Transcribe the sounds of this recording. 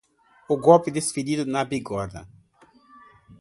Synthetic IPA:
ʊɡɔlpɪd̪esfid̪id̪ʊnabiɡɔɾd̪ɐ̰

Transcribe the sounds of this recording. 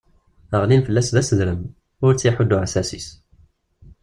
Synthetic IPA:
əʁlinfəlːæsðæsəðɾəm | ʊɾt͡sːjaħʊd̪ːuʕasæsis

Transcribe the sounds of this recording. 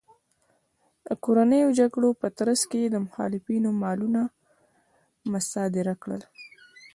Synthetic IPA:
d̪əkoɾanəjod͡ʒaɡɽopət̪ɾaskeed̪əmʊxɑ̰lɪfinomɑluna | mʊsɑd̪ɪɾakɽə̰l

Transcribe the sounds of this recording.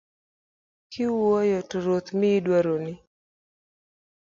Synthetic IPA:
kʰɪwɔjɔtoɾot̪mɪːdwaɾonɪ

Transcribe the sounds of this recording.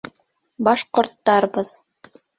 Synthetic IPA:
bɑʃkŏrt̪ːɑrbɤ̆z̥

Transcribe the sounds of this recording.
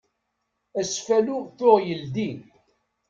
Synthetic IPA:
æsfæluθoʁjəld̪in

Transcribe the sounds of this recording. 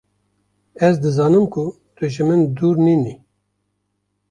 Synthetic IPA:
ɛzd̪ɨzɑːnɨmkʰu | t̪ʰɨʒɨmɨnd̪uːɾniːni

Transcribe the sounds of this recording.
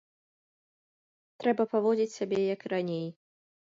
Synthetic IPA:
t̪ɾɛbɐpavɔd͡zʲit͡sʲsʲabʲɛjɐkɾanʲej

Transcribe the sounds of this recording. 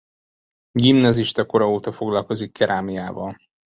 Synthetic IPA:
ɡimnɒziʃt̪ɒko̞ɾɒoːt̪ɒfo̞ɡlɒlko̞zikːɛɾʔaːmijaːvɒ̰l

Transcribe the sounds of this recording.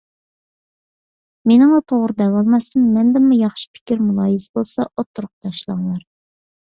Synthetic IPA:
menɪŋlˠɑt̪ʰoʁɾɨd̪ɛwɑlˠmɑst̪ɨnmɛnd̪ɪmːujɑχʃi̥pʰɪ̥kʲiɾmulˠɑːjizbolˠsɑʔot̪ʰːuɾʊq̚t̪ʰɑʃlˠɑŋlˠɑɾ

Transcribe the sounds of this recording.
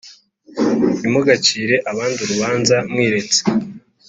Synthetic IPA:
imoɡat͡ʃiːɾe̞ʔaβaːnduɾuβaːnzamŋwiːɾe̞t͡se̥

